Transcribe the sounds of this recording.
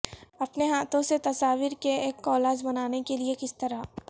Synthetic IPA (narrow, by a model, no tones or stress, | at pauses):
ɐpneɦaːt̪õset̪ɐsaːʋiɾkeeːkːɔːlaːd͡ʒbɐnaːnekeliekɪst̪ɐɾa